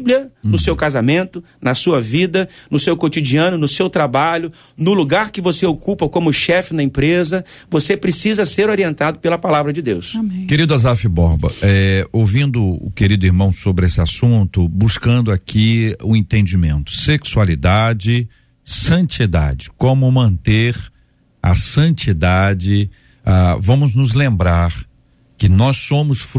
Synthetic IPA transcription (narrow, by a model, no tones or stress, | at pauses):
bliɐnʊsewkazamẽnt̪ʊ | nɐsuɐvid̪ɐnʊsewkot͡ʃid͡ʒiɐ̃nʊnʊsewt̪ɾabaʎʊ | nʊluɡaɾkɪvoseokupɐkõmʊʃɛfɪnɐĩpɾezɐvosepɾesizɐseɾoɾiẽnt̪ad̪ʊpelɐpalavɾɐd͡ʒɪd̪ewsamkeɾid̪ʊazafibɔɾbɐ̰ʔɛowvĩnd̪ʊʊ̰keɾid̪ʊiɾmɐ̃w̃sobɾɪesɪasũt̪ʊbuskɐ̃nd̪ʊakʰiʊẽnt̪ẽnd͡ʒimẽnt̪ʊ̥seksualid̪ad͡ʒɪ | sɐ̃nt͡ʃid̪a̰d͡ʒɪkõmʊmɐ̃nt̪eɾ | ɐ̰sɐ̃nt͡ʃid̪ad͡ʒɪ | avɐ̃mʊznʊzlẽmbɾaɾ | kɪnɔsõmʊsf